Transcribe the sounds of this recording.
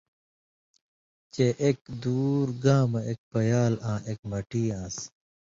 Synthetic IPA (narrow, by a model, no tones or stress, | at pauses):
t͡ɕeʔek̚d̪uːɾɡaːmɐek̚pɐjaːlãːʔek̚mɐʈiːãːs